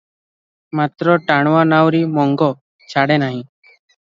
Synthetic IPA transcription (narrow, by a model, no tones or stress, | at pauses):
mat̪ɾɔʈaɽ̃wanawɾimɔŋɡɔ | t͡ʃʰaɽɛnaɦĩ